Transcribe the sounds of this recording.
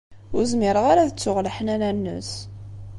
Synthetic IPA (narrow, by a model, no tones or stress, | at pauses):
ʊɾzmɪɾəʁaɾæðət͡sːʊʁləħənænænːə̰s